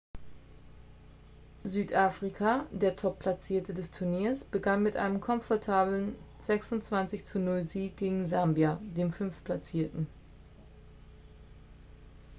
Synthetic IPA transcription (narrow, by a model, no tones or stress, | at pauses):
zyːtʔaːfʁ̥ikʰadeːɐtʰɔpʰl̥at͡siːɐtʰədɛstʰuɐniːɐsb̥əɡanmɪtʔa̰ɪnəmkʰɔmfɔɐtʰaːblən | z̥ɛksʊntt͡sv̥ant͡sɪçt͡sunɔɪzeːɡ̥eːɡŋ̩zambjadeːmfʏnfpʰlat͡siːɐtn̩